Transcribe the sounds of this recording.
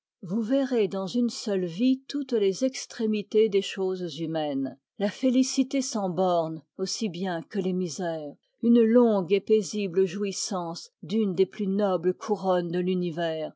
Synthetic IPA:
vuveʁed̪ɑ̃zynsœlvit̪ut̪lezɛkst̪χemit̪ed̪eʃozzymɛn | lafelisit̪esɑ̃bɔʁnosibjɛ̃kəlemizɛːʁ | ynlɔ̃ɡepezibləʒuisɑ̃sd̪ynd̪eplynɔblkʰuʁɔnd̪əlynivɛːʁ

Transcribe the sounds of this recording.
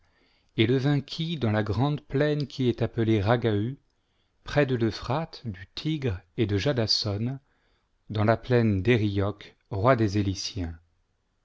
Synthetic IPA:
eləvɛ̃kʲʰid̪ɑ̃laɡʁɑ̃d̪plɛnkʲʰiɛt̪apəleʁaɡay | pχɛd̪ələfχat̪d̪yt̪ʰiɡʁed̪əʒad̪asɔn | d̪ɑ̃laplɛnd̪eʁijɔk | ʁwad̪ezelisjɛ̃

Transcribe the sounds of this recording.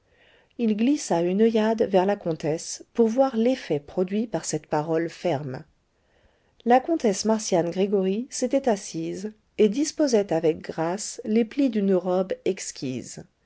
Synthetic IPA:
ilɡlisaynœjad̪vɛʁlakɔ̃t̪ɛspuʁvwaʁlefɛpχɔd̪ɥipaʁsɛt̪paʁɔlfɛʁm | lakɔ̃t̪ɛsmaʁsjanɡʁeɡɔʁiset̪ɛt̪asiz | ed̪ispozɛt̪avɛk̚ɡʁasleplid̪ynʁɔbɛkskʲḭz

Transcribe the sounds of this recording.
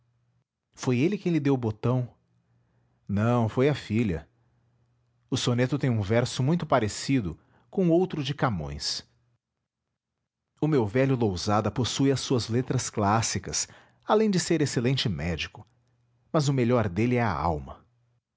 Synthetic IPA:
fojelɪkẽj̃lɪd̪ewbot̪ɐ̃w̃ | nɐ̃w̃fojɐfiʎɐ̰ | ʊsonet̪ʊt̪ẽj̃ũvɛɾsʊmũj̃t̪ʊpaɾesid̪ʊ | kõowt̪ɾʊd͡ʒɪkamõ̰j̃s | ʊmewvɛʎʊlowzad̪ɐposujɐsːuɐzlet̪ɾɐsklasikɐs | alẽj̃d͡ʒɪseɾeselẽnt͡ʃɪmɛd͡ʒikʊ̥ | mɐzʊmeʎɔɾd̪elɪɛa̰a̰wmɐ̰

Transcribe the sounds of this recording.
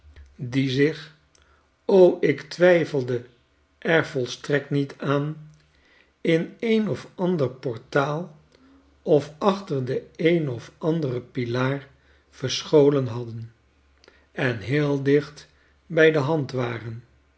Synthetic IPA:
dizɪχ | owʔɪktʋɛjfəlˠdə | ʔɛɹvɔlˠstrɛk̚tnitʰaːn | ɪnejnɔfɑndəɹpɔɹtaːlˠ | ɔfɑχtəɹdəejnɔfɑndərəpilaːɹ | v̥əɹsχowlənɦɑdən | ɛnɦɪːlˠdɪχt | bɛjdəɦɑntʋaːrən

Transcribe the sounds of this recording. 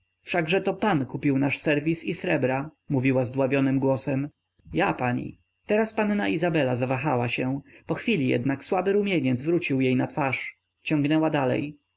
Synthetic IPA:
fʂaɡʐɛt̪ɔpankupʲiwnaʂsɛɾvʲisisɾɛbɾamuvʲiwazd̪wavʲjɔnɘmɡwɔsɛm | japaɲḭ | t̪ɛɾaspanːa̰ʔizabɛlazavaxawaɕɛpɔxfʲilʲijɛ̰d̪nakswabɘɾumʲjeɲɛd̪zvɾut͡ɕiwjejnat̪faʂ | t͡ɕɔŋɡnɛwad̪alɛ̰j

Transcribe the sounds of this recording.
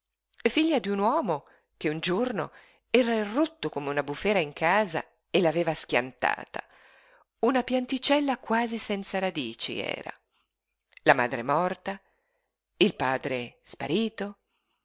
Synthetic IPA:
fiʎːad̪iunwɔːmo | k̟eund͡ʒorno̰ | ɛːɾairːut̪ːokomeunabufɛːɾaiŋkʰaːza̰ | elaveːvaskja̰nt̪a̰ːt̪a̰ | unapjant̪it͡ʃɛlːakwaːzisɛnt̪saɾad̪iːt͡ʃḭɛ̰ːɾa̰ | lama̰ːd̪ɾemɔrt̪a | ilpaːd̪ɾespa̰ɾiːt̪o

